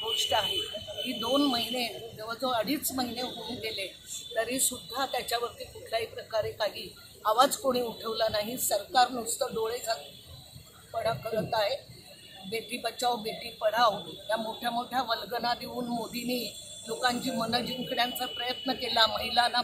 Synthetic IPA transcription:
ɡoʂʈəaɦeɦiːd̪onməɦined̪eʋ̤ad͡zoəɽiːt͡sməɦineɦounɡ̪ele | t̪əɾɦiːsud̪ʱːat̪jat͡ɕjaʋəɾt̪iːkuʈʰljaɦipɾəkaɾekaɦiː | aʋad͡zkoɽ̃iːuʈʰəʋlanaɦisəɾkaɾnust̪əɖoɭet͡sa | pəɽakəɾət̪aɦe | beʈiːbət͡sawbeʈiːpəɽ̤aʋjamoʈʰjamoʈʰjaʋəlɡənad̪iuːnmod̪ʱiniː | lokãɲt͡ɕiːmənəd͡ʑiŋkʰəɽjãnt͡sapɾəjət̪nəkelaməɦilana

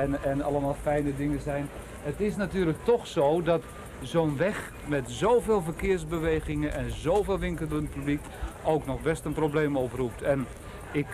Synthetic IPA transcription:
nɛnɑ̰ləmaːlˠfɛjnədɪŋəzɛjn | ətɪs̬natyːlək̚tɔxsoːdɔt | zoːnʋɛx | mɛtzowveːlˠvərkɪːrzbəʋejɣɪŋəʔɛnzoːveːlˠʋɪŋkəlˠənət̚pyblik | owknɔxbɛstənprowbleːmoprup̚tɛn | ɪk

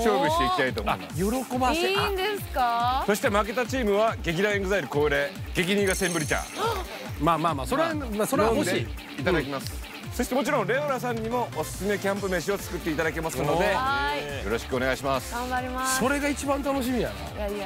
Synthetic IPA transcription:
ɕoːbɯɕi̥t̪e̞ikʲi̥t̪ait̪o̰mamjo̞ɾo̞ko̞baeand̪eskaso̞ɕi̥t̪e̞maːk̬e̞t̪ːat͡ɕiːmɯ̟βaɡe̞k̬ʲid̪aẽŋɡɯzaiɾɯ̟ko̞ːɾe̞ɡe̞kʲiɲĩŋɡasẽmbɯ̟ɾʲit͡ɕa̰ | maːmaːmaːso̞ɾeamasoɾẽmoɕd̪ei | it̪ad̪akʲimasɨ̥ | so̞ɕit̪e̞mot͡ɕiɾõ̞ñɾe̞oɾas̬ãɲ̟ːimo̞ːsɨ̥sɨme̞kʲãmp̬ɯ̟me̞ɕ̬iot͡sɨ̥kɯ̟t̪ːe̞it̪ad̪ak̬e̞masɨno̞d̪e̞jo̞ɾo̞ɕi̥kɯone̞ɡaiɕimasɨ̥ɡãmbaɾʲimasso̞ɾe̞ɡait͡ɕibãnt̪ano̞ɕ̬imʲijana̰

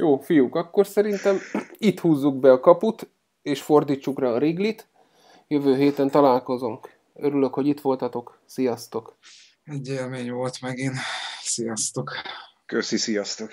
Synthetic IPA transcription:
joːfijukɒkːo̞rsɛɾint̪ɛmit̪huːzːuɡbɛɒkɒput̪ | eːʃfo̞rd̪iːt͡ʃːukraɒɾeːɡlit̪ | jø̞vøːɦeːt̪ɛnt̪ɒlaːlko̞zoŋk | øɾyløkho̞ɟit̪ʋo̞lt̪ɒt̪o̞k | sijɒst̪o̞k | ɛɟeːlmeːɲʋolt̪mɛɡinsijɒst̪ok | køsisijɒst̪ok

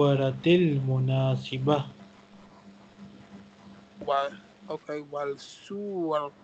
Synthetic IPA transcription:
aɾat̪ɪlmunaːsiba | w | okewalsuwal

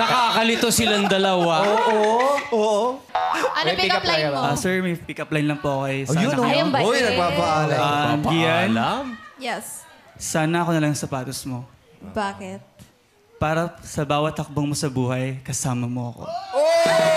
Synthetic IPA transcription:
nɐkakɐlɪt̪osɪlɐŋd̪ɐlɐwaoʔoʔoʔo | ɐnpikɐplajɐsɛɹmɐjpikɐplɐjnlɐŋpoʔɐkojsjʊnɐjɐbaojnɐbapɐʔaːlɐjanlamjɛssaːnɐɐkonɐlɐŋsɐpaːt̪osmo̞ | baːkɪt̪̚ | paːɾɐsɐbaːwɐt̪̚hɐk̚boŋmosɐbuːhɐjkɐsaːmɐmoɐko̰o

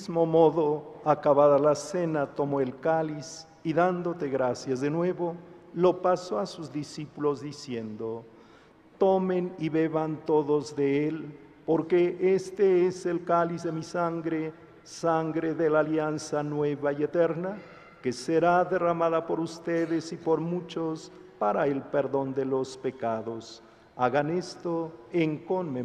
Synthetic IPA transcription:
zmo̞mo̞ðo̞akaβaðalase̞nat̪o̞moelkalis | iðand̪o̞t̪e̞ɣɾasjazðe̞nwe̞βo̞ | lo̞pasoasuzðisipulo̞zðisje̞nd̪o | t̪o̞meniβe̞βant̪o̞ðo̞zðe̞el | po̞ɾke̞ʔest̪eeselkalizðemisaŋɡɾe | saŋɡɾeðelaːljansanwe̞βaiet̪eɾna | keseɾaðeramaðapo̞ɾust̪eðesipo̞ɾmut͡ʃos | paɾaelpeɾðo̞nd̪elo̞spekaðos | aɣanest̪oeŋkonme

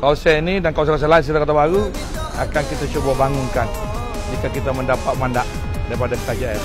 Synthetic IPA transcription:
kalosaainidankalos̬alas̬alans̬ilakat̪abaɾu | akankit̪at͡ʃubabaŋuŋkan | d͡ʒikakit̪aməndapat̪̚mandaʔ | daɾipadasəkad͡ʒaja

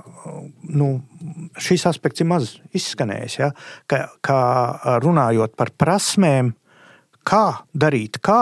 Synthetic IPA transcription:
nu | ʃisaspɛk̚t̪siɾmazisːkanɛ̰ːjsjakakʰaɾunaːjuɔt̪̚paɾpɾasmeːm | kʰaːd̪aɾiːt̪kaː

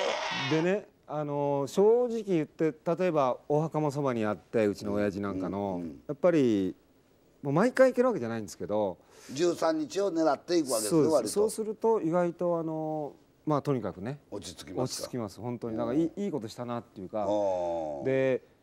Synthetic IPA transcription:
d̪e̞ne̞ | ano̞ɕo̞ːʑikʲijɯ̟t̪ːe̞t̪at̪o̞e̞baohakamos̬o̞baɲ̟iat̪ːe̞ɯ̟t͡ɕino̞ːjaʑinãŋkano̞japːaɾʲi | momaikaiike̞ɾɯβake̞d͡ʑanaĩnd̪esɨ̥ke̞d̪o̞ | d͡ʑɨːsãɲ̟ːit͡ɕio̞ne̞ɾat̪ːe̞ikɯakeesoːd̪eeaaɾiso̞ːsɨɾɯ̟t̪o̞iɡait̪o̞ano̞ | mat̪o̞ɲ̟ikakɯ̟ne̞ot͡ɕi̥t͡sɨ̥kʲimot͡ɕt͡ɕi̥t͡sɨ̥kʲimasɨ̥hõ̞nt̪o̞ɲ̟id̪akaiːiːko̞t̪o̞ɕi̥t̪anat̪ːe̞jɯ̟ːka | d̪e̞

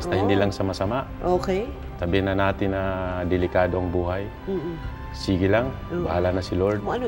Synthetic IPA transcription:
ɐst̪ɐhɪnd̪iːlɐŋsɐmasɐmaʔʔokɛ | t̪ɐbɛnɐnaːt̪ɪnːɐd̪ɛlɪkaːd̪o̞ʔɐŋbuːɦaj | siːɡɪlaŋ | bɐhaːlanɐsɪloɾd̪̚n

